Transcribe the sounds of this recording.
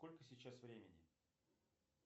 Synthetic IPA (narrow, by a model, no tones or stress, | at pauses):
ko̞lʲkəsʲɪt͡ɕːasvɾʲemʲɪnʲɪ̰